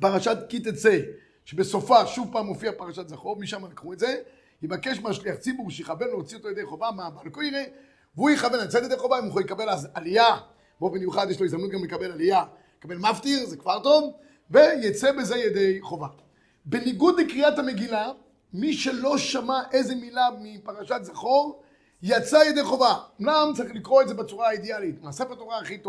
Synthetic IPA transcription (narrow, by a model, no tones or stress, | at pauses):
paʁaʃat̪kit̪et͡se | ʃebesofaʃuvpaːmofiapaʁaʃat̪zaχovmiʃamalikχuetze̞ | jibakeʃmeaʃliaχt͡sibuʁʃejeχavenleot͡siot̪ojed̪ejχo̞vamabalkoiʁe | veujeχavenlat͡setjd̪eχo̞vaimuχolekabelaalija | bobenjuχad̪jeʃlo̞izd̪amnut̪̚ɡamlekabe̞lalija | lekabe̞lmaft̪iʁzekvaʁt̪o̞n | vejat͡sebezejed̪e̞jχo̞va | beniɡud̪lekʁiat̪hame̞ɡila | miʃe̞lo̞ʃamaʔe̞zemilamipaʁaʃat̪zaχoʁ | jat͡sajed̪e̞jχo̞vamnamt͡saʁiχlikʁo̞etzebat͡suʁaaid̪ealit̪maːsefet̪oʁaːχit̪o